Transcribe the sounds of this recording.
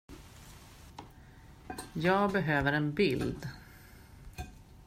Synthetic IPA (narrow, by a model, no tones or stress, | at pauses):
jɑːɡbɛɦøːvəɾɛnbɪld̪